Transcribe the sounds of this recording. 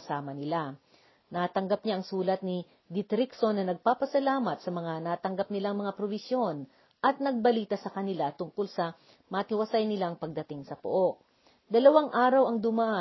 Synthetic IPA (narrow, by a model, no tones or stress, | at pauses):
ɐsaːmɐnɪla | nat̪ɐŋɡap̚ɲaʔɐŋsuːlɐt̪̚nɪ | d̪ɪt̪ɾiksonːɐnɐɡ̚paːpɐsɐlaːmɐt̪̚sɐmɐŋanaːt̪ɐŋɡap̚nɪlaŋmɐŋapɾobɪsjo̞n | ʔɐt̪̚nɐɡ̚bɐliːt̪ɐsɐkɐnɪlat̪ʊŋkolsɐ | mɐk̪ɪwɐsajnɪlaŋpɐɡ̚d̪ɐt̪ɪŋsɐpo̰ʔo̞ʔ̚ | d̪ɐlɐwaŋʔaːɾɐwɐŋd̪ʊmaʔa